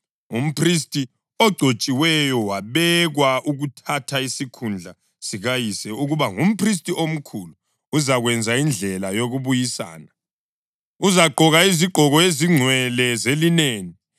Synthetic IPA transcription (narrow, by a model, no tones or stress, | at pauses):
um̩pʰris̬tʼi | ɔɡ͡ǀʱot͡ʃʼiwɛjɔwaβɛɣwaʔuɣutʰatʰaisikʰund͡ɮʱa | siɣajisɛuɣuβaŋum̩pʰris̬tʼiʔom̩kʰuluː | zaɣwɛnd͡zʱaind͡ɮʱɛlajoɣuβujisa̰ːna | uzaɡ͡ǃʱɔɣaiziɡ͡ǃʱɔɣɔeziŋ͡ǀʱwɛlɛzelineːni